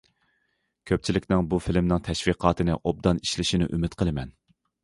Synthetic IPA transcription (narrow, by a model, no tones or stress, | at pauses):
kʲʰøp̚t͡ʃʰilɪkʲnɪŋbufɪlmnɪŋt̪ʰɛʃviqʰɑːt̪ʰɨnɪ̰ʔob̚d̪ɑni̥ʃlɪʃinɪ̰ʔymɪt̪qʰəlˠɨmɛn